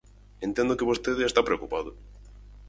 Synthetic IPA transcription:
ent̪ẽnd̪okeβost̪eðɪest̪apɾeokupaðʊ

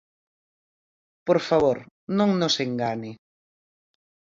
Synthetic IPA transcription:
poɾfaβ̞oɾ | nõŋnoseŋɡaɲɪ

